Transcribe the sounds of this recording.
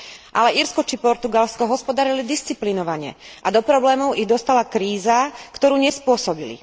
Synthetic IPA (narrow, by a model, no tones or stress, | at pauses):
ʔa̰lɛiɾskɔt͡ʃipɔɾt̪uɡalskɔɦɔspɔd̪aɾilid̪ist͡siplinɔʋaɲɛ̰ʔad̪ɔpɾɔblɛːmɔʊʔiɣd̪ɔst̪alakɾiːzakt̪ɔɾuːɲɛspʊɔsɔbilḭ